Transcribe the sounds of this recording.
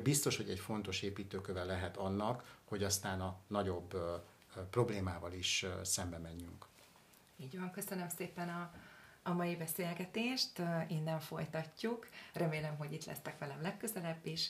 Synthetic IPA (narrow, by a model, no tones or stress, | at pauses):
bist̪o̞ʃho̞ɟɛcfo̞nt̪o̞ʃeːpiːt̪øːkøvɛlːɛɦɛt̪ɒnːɒkhoɟɒst̪aːnɒnɒɟo̞bː | pro̞bleːmaːvɒliʃsɛmbɛmɛɲːyŋk | iːɟʋɒŋkøsønø̞mseːpɛnɒː | mɒjibɛseːlɡɛt̪eːʃt̪iːnːɛɱfo̞jt̪ɒcːukrɛmeːlɛmɦo̞ɟit̪lɛ̰st̪ɛkʋɛlɛmlɛkːø̞zɛlɛbːiʃ